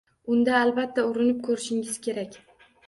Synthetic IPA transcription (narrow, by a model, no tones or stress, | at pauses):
ʊnd̪aːlbat̪ʰːaʊɾɪnɪp̚kʰɵɾɪʃɪŋɪz̥kʲʰe̞ɾakʲ